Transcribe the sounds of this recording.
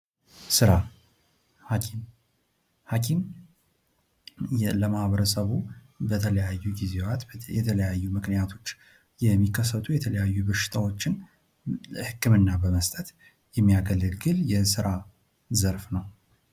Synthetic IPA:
sɨɾa | hakʼim | hakʰʼim | ləmahβəɾəsəβu | bət̪ʰələjajːuɡize̞wat̪jɛt̪ʰələjajːumɨknijat̪ʰo̞t͡ʃː | jɛmːikʰːəsət̪ʼujɛt̪ʰələjajːubɨʃɪ̥t̪ʰawo̞t͡ʃːɪn | hɨkːɨmɨnːabəməst̪ʼət̪ | jɛmːijaɡəlːɨlɡɨljɛsɨɾa | zəɾfnəw

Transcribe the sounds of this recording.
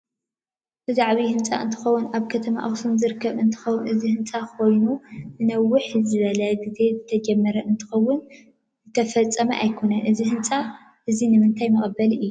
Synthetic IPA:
b̥ɨzaʕβihɨnt͡sʼa̰ʔɨnt̪ʰɨ̥xɐwːunaβkʰɐt̪ʰɐma̰ʔxsunzɨɾɨkʰːɐβɨnt̪ʰɨ̥xɐwːʊnʔɨzihɨnt͡sʼakʰo̞jnunɨnɐwːʊħzɨβɐlɐɡɨze̞zɨt̪ʰɐd͡ʒɐmːɐɾɐʔɨnt̪ʰɨ̥xɐwːʊn | zɨt̪ʰɐfɐt͡sʼːɐmɐ̰ʔajkʰo̞nɐnʔɨzihɨnt͡sʼa | ʔɨzinɨmɨnt̪ʰajmɐχʼɐbɐliʔɨjːuu

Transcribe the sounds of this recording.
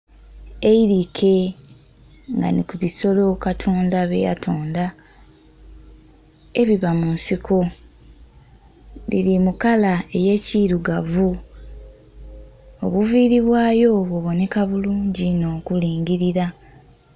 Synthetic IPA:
e̞iɾikʰe̞ | ŋɡa̰nikuβiso̞lo̞katʰoːndaβḛja̰tʰoːnda | e̞βiβamunsikʰo̞ | lḭɾimukalae̞je̞ːciɾuɡavu | o̰βuviːɾiβwaːjo̞βuβo̞ne̞kaβuluːɲɟino̞ːkuliːŋɡiɾiɾa

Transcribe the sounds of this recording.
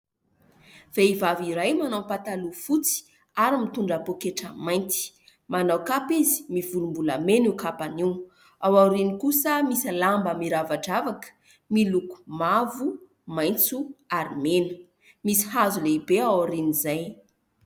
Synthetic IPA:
v̥eivaviɾajmanawmpat̪alufut͡si̥ | aɾimit̪uɳɖ͡ʐabokeʈ͡ʂəmajnt̪i̥ | manawkapizi̥miv̥ulumbulamenikapaniw | awawɾinikusəmisilambəmiɾavaʈ͡ʂavakə̥ | miluku̥mavu | majnt͡suaɾimenə̥ | misi̥hazuleibeawaɾinizaj

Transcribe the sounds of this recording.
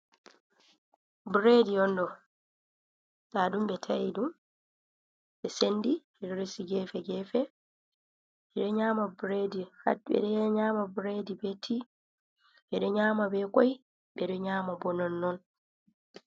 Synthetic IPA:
bɾedijɔnɗɔ | ɗaɗumbɛtʰajiɗum | ɓɛsenːdiɓɛɗɔɗesiɡɛfɛɡɛːfɛ | ɓɛɗɔɲaːmabɾediha̰t̚ɓɛ̰ɗɔɛɲaːmabɾedibetʰːi | ɓɛɗɔɲaːmabɛkɔj | ɓɛɗɔɲaːmabɔnɔnːɔn

